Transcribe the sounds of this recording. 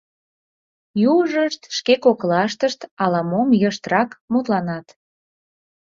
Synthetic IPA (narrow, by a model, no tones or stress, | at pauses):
juʒəʃt̪ʃkekoklɑʃt̪əʃt̪ɑlɑmomjəʃt̪rɑkmut̪lɑnɑt̪